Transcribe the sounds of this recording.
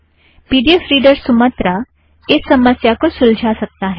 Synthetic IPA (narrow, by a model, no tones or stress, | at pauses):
piɖiefɾiɖəɾsumət̪ɾa | esəməsjakosuld͡ʑʱasək̚t̪aɦe